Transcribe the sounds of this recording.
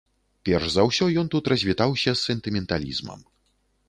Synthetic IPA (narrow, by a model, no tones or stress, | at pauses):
pʲɛrʐzɐwsʲɔjɔnt̪ut̪rɐzʲvʲit̪awsʲɐsːɛnt̪ɨmʲɛnt̪alʲḭzmɐ̰m